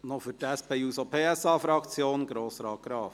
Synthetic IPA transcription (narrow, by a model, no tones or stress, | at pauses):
nofytæspɛjuːsopʰeːɛsɑːfɾɑkt͡sjoːnɡɾoːsɾɑːɡ̥ɾɑːf